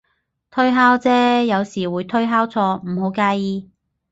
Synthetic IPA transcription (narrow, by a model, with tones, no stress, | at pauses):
t̪ʰɵ˥ɥɦaː˥wt͡sɛː˥jɐ˨˧wsiː˨˩wuː˨˧jt̪ʰɵ˥ɥɦaː˥wt͡sʰɔː˧m̩˨˩ho˨˧˥wkaː˧jiː˧